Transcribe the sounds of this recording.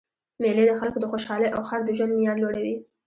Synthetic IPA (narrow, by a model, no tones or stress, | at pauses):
meled̪əxalkod̪əxoʃɑləjʔawxaɾd̪əʒwand̪mijɑnloɽawi